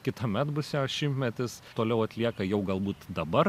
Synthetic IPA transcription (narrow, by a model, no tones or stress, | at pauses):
kʲɪt̪ɐmʲɛt̪bʊsʲɛʃʲɪmʲtʲmʲɛt̪ʲɪst̪oːlʲɛʊɐt̪ʲlʲiɛkɐjɛʊɡɐlˠbuːt̪d̪ɐbɐr